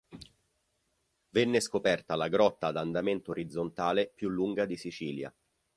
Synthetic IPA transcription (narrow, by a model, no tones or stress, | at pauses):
venːeskopɛrt̪alaɡɾɔt̪ːad̪and̪ament̪oːɾid̪zːont̪aːlepjulːuŋɡad̪isit͡ʃiːlja̰